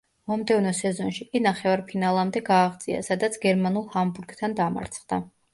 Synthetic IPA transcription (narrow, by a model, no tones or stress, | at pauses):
mɔmd̪ɛvnɔsɛzɔnʃikʼinaχɛvaɾpʰinalˠamd̪ɛɡaːʁd̪zʼia̰sad̪at̪sʰɡɛɾmanulˠhambuɾɡt̪ʰand̪ama̰ɾt̪sʰχd̪a